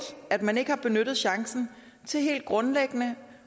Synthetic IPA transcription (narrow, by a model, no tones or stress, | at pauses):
æd̥mæne̝ɡ̥əhɑ̈b̥e̝nød̥ð̩ˠɕɑ̈ŋsn̩ | t͡sʰe̝lɦe̝̰ːld̥̚ɡ̥ʁɔ̽nleɡ̥ənə